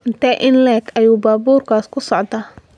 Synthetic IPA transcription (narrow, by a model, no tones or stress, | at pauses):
ɪnt̪ʰɛʔɪnlɛːkʰɐjuːbaːbuːrkʰaːskʰʊsɔʕd̪aː